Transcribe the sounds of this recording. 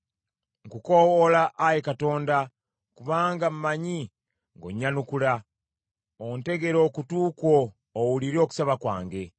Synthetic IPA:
ŋkukowolaʔːjekato̞ːnda | kuβaːŋɡamumaɲi | ŋɡo̞̰ɲːanukula | onte̞ɡe̞ɾo̞ːkutuːkwoː | wuliɾioku̥saβakwa̰ːŋɡe̞

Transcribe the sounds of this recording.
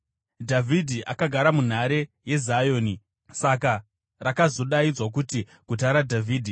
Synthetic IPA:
dʱavʱidʱiʔakaɡʱaɾamun̤aɾe̞je̞zajo̞ːni | saka | rakazo̞ɗaid͡zwak̬uti | ɡ̥ut̬aɾadʱavʱiːdʱi

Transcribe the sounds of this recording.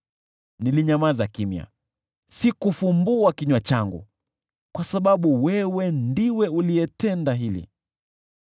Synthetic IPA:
niliɲamazakimja̰ | sikufumbuakiɲwat͡ʃaŋɡṵ | kwasaɓaɓuwɛwɛndiwɛuliɛtɛndaɦilḭ

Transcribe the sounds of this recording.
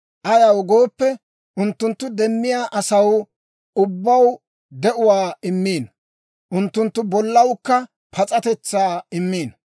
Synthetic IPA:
ʔɐjɐwɡo̞ːpːɛ | ʔʊnt̪ːʊnt̪ːʊd̪ɛmːɪjaːʔɐsɐw | ʊbːɐw | d̪ɛʔʊwaːɪmːiːn | ʔʊnt̪ːʊnt̪ːʊbɔlːɐwkːɐ | pʰɐt͡sʼɐt̪ɛt͡sːaːɪmːiːn

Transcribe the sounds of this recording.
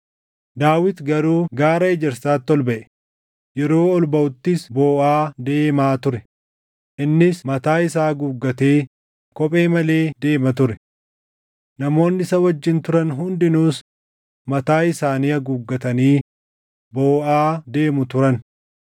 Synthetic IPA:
d̪aːwɪt̪ɡɐɾuːɡaːɾɐɛd͡ʒɛɾsaːt̪ːɔlbɐʔɛ̥ | jɛɾo̞ːɔlbɐʊt̪ːɪsboːʔaːd̪e̞ːmaːt̪ʊɾɛ | ʔɪnːɪsmɐt̪aːɪsaːɡuːɡːɐt̪e̞ː | kɔpʼe̞ːmɐle̞ːd̪e̞ːmɐt̪ʊɾɛ | nɐmo̞ːnːɪɪsɐwɐd͡ʒːɪnt̪ʊɾɐnɦʊnd̪ɪnuːs | mɐt̪aːɪsaːniːɐɡuːɡːɐt̪ɐniː | bo̞ːʔaːd̪e̞ːmʊt̪ʊɾɐn

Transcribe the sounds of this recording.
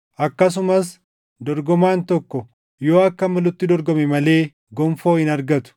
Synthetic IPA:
ʔɐkːɐs̬ʊmɐs̬ | d̪ɔɾɡɔmaːnt̪ɔkːɔ | jo̞ːɐkːɐmɐlʊt̪ːɪd̪ɔɾɡɔmɛmɐle̞ː | ɡɔmfo̞ːhɪnɐɾɡɐt̪ʊ̥

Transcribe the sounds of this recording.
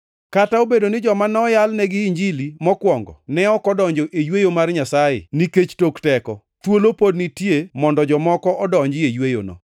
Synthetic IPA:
kataobedonɪd͡ʒɔmanɔjalnɛɡɪːɲd͡ʒilimɔkwɔŋɡɔ̰nɛɔkɔdɔɲd͡ʒoʔejwejomarɲasajɪ̰niket͡ʃtoktɛkɔ | t̪wolopodnitjemɔndɔd͡ʒɔmɔkɔʔɔdɔɲd͡ʒɪejwejo̰nɔ̰

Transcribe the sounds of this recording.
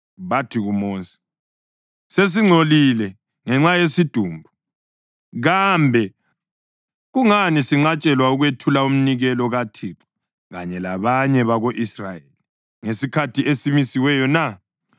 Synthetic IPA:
βatʰiɣumoːnsi̥ | ses̬iŋ͡ǀʱolilɛ | ŋɛŋ͡ǁajesid̥ʱuːmbʱu | ɣambʱɛ | ɣuŋanisiŋ͡ǁat͡ʃʼɛlwauɣwetʰulaum̩niɣɛlɔɣatʰikɔ̥ | ɣaɲɛlaβaɲɛβaɣoʔisrajeli | ŋesikʰatʰiʔesimisiwɛjɔna

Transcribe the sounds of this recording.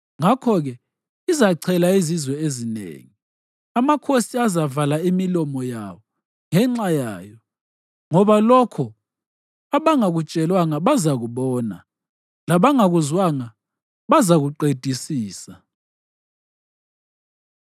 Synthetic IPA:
ŋakʰɔɣɛ | izaǀʰɛlaizizwɛezinḛŋi | amakʰosiazavalaimilɔmɔja̰βɔ | ŋɛŋ͡ǁajaːjɔ | ŋɔβalɔkʰɔ | aβaŋaɣut͡ʃʼɛlwaŋaβazaɣuβɔːna̰ | laβaŋaɣuzwaŋa | βazaɣuǃed̥ʱisiːsa

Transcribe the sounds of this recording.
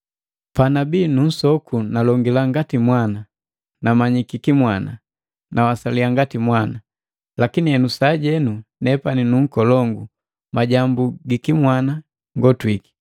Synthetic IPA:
panabinun̩sɔkʰunalɔŋɡilaŋɡatimwana | namaɲikikimwana | nawasaliaŋɡatimwana | lakiniɛnusaɟɛnunɛpaninuŋ̩kɔlɔŋɡu | maɟambuɡikimwana | ŋɡɔtwiki̥

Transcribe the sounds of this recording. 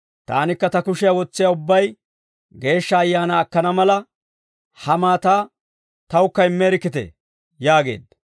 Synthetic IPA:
t̪a̰ːnɪkːɐt̪ɐkʊʃɪjawɔt͡sːɪjaʊbːɐj | ɡe̞ːʃːɐːjːaːnaːkːɐnɐmɐlɐ | hɐmaːt̪aː | t̪ɐwʊkːɐɪmːeːɾɪkːɪt̪ɛ̰ | jaːɡe̞̰ːd̪

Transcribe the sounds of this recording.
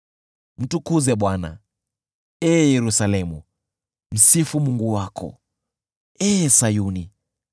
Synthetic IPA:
m̩tukuzɛɓwana̰ | ɛːjɛɾusalɛmu | m̩sifumuŋɡuwakɔ̰ | ɛːsajuni

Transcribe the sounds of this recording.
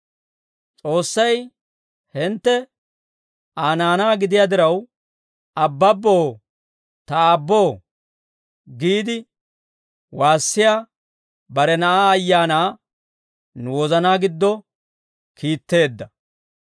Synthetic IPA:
t͡sʼo̞ːsːɐj | hɪnt̪ːɛ | aːnaːnaːɡɪd̪ɪjaːd̪ɪɾɐw | ɐbːɐbːoː | t̪ɐːbːo̞ː | ɡiːd̪ɪ | waːsːɪjaː | bɐɾɛnɐʔaːjːaːnaː | nʊwɔzɐnaːɡɪd̪ːɔ | kiːt̪ːe̞ːd̪ːɐ

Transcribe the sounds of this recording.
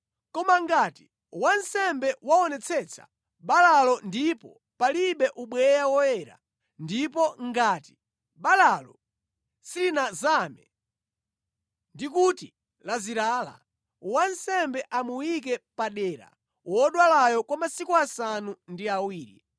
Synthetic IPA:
kɔmaŋɡati | wansɛmbɛwaɔnɛt͡sʰɛt͡sʰḁ̰ | ɓalalɔndipɔ | paliɓɛʔuɓwɛjawɔjɛɾa̰ | ndipɔŋɡaːti̥ | ɓalalɔ̰ | siɾinazamɛ | ndikuti | laziɾaːla̰ | wansɛmbɛʔamuwik̬ɛpaɗɛːɾa̰ | wɔɗwalajɔkwamasikuasanundiawiːɾḭ

